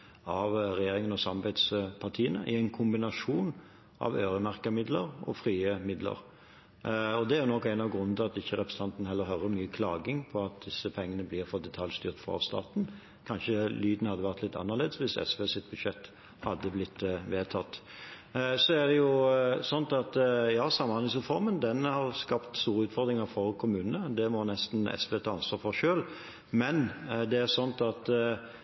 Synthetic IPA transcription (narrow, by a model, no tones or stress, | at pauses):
ɑʋɾɛjeːɾɪŋənɔsɑmbæɪd̪spʰɑʁt̪ʰiːənə̰ʔɪæɪnkʰʊmbɪnɑʂuːn | ʔɑ̰ʋøːɾəmæʁkəmɪd̪ləɾʔɔ̰fɾiːəmɪd̪lə̰ɾ | ɔd̪ɛæɾjʊnɔkːæɪnɑʋɡɾʉnːnt̪ʰɪɑt̪ɪçːəɾɛpɾəsn̩t̪ɑnt̪n̩hɛlːəɾɦœɾəmyːəkʰlɑːɡɪŋpʰɔɑt̪̚d̪ɪsːəpʰɛŋːənəblɪːɾfɔd̪ɛt̪ʰɑljst̪yːʁt̪fʁɑ̰st̪ɑ̰ːt̪n | kʰɑnʃəlyːd̪nhɑd̪ːəʋæʁt̪lɪt̪ʰːɑ̰nːəʁleːd̪əsʋɪsɛ̰sʋeːsɪt̪̚bʉd̪ʃɛt̪ː | hɑd̪ːəblɪt̪ːʋeːt̪ʰɑt̪ː | sɔæʁd̪ɛjʊsɔnt̪ɑt̪jɑːsɑmːɑnɪs̬ʁɛfɔɾmənd̪ɛnhɑʁskɑpt̪st̪uːɾəʉːt̪fɔʁd̪ɾɪŋəɾfɔʁkʰʊmʉːnənəd̪ɛmɔnɛst̪nɛ̰sʋeːt̪ʰɑːɑnsʋɑːɾfɔʁʃøːl | mɛnd̪ɛæʁsɔnt̪ɑt̪